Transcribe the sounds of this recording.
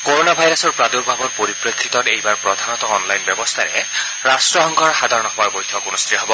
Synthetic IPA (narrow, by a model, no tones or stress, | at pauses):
koɹonabʱajɹɔsɔɹpɹad̪ukbʱabɔt̚poɹipɹekʰːit̪ɔnejbaɹpɹɔd̪ʱanɔt̪ɔːnlajnbjɛbɔst̪ʰaɹɛ̰ | ɹastɹɔxɔŋɡʰʱɔɹxad̪ʱaɹɔnɔxaɹbojtʰɔkunɔst̪ijɦɔbɔ